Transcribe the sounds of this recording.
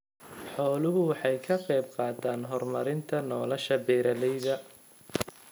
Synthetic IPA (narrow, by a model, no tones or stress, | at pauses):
ħɔːlʊɦʊwɑħɑjkʰɐqɑjb̚qɑːt̪ʰaːnɦɔrmɐɾɪnt̪ʰɐnɔːlɐʃɐbɛːɾɐðɛjðɐ